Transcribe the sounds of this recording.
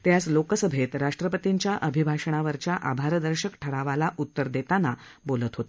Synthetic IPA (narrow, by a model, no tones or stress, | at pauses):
t̪jaslokəsəbʱet̪ɾaʂʈɾəpət̪iɲt͡ɕjaʔəbʱibʱaɕəɳ̃aʋəɾt͡ɕjaʔabʱaɾd̪əɾɕəkʈʰəɾaʋalaʔut̪ːəɾd̪et̪anabolət̪ɦot̪